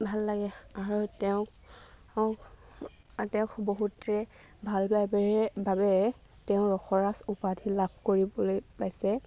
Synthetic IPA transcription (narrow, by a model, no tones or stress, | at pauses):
bʱalːaɡɛaɹutɛʊ̃k | k | tɛʊ̃kʰboɦutɹɛ | bʱalbajbeɛbabɛ | tɛʊ̃ɹɔxʰɔɹasupadʰʱilabʱkoɹibɔlojpajsɛ